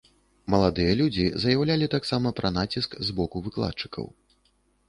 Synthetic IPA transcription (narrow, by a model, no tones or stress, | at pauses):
mɐlˠad̪ɨjɐlʲud͡zʲizɐjawlʲalʲit̪aksamɐpɾʔɐnat͡sʲiskzbɔkuvɨklˠa̰t̪̚t͡ʂɨ̥kʰɐ̰w